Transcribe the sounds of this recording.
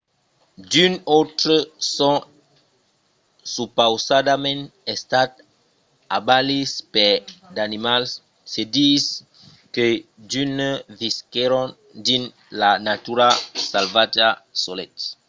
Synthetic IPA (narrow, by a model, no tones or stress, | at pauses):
d̪ynot̪ɾəsɔ̃ | supawsad̪amɛ̃nɛst̪at̪ | abalispɛd̪animal | sed̪is | ked̪ynəviskeɾɔ̃n | d̪in | lanat̪yɾasalvatasolɛt̪